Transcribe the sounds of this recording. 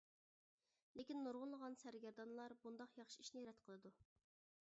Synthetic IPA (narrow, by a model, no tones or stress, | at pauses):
lekʲinːuɾʁʊnlˠəʁɑnsæɾɡʲɛɾd̪ɑnlˠɑɾbund̪ɑqjɑχʃi̥iʃnɪjɾɛt̪qʰəlˠɨd̪u